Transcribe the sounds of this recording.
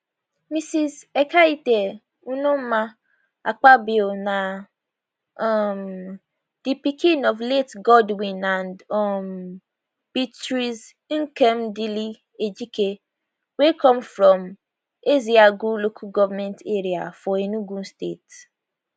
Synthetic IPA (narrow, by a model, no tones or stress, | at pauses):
misizekaide | unum̩ma | a̰k͡pabiona | m | d̥ipikĩnɔvletɡɔdwĩnãndɔm | b̥itɾiz | ŋ̩kemdili | ed͡ʒike | wekʰɔ̃mfɾɔ̃m | eziaɡulokʰuɡɔvamɛ̃nteɾia̰fɔenuɡũn̩stḛt